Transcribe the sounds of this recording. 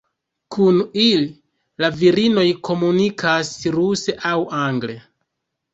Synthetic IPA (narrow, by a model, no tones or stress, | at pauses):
kʰunili | laviɾino̞jko̞munikʰasɾuse̞ʔawaŋɡle̞